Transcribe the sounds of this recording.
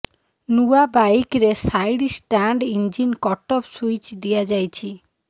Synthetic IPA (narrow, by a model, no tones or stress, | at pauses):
nuabakɾesajɽisʈaɳɖind͡ʒinkɔʈɔpsujt͡ʃd̪iad͡ʒajt͡ʃʰi